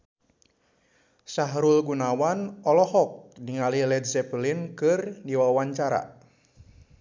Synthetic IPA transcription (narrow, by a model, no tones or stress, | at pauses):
saɦɾulɡunawanɔlɔhɔk̚niŋalilɛdzɛpəlinkɨrdiwawaɲt͡ʃaɾa̰